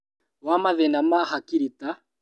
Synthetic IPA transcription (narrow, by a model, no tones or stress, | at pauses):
wamaðɛnamahakiɾita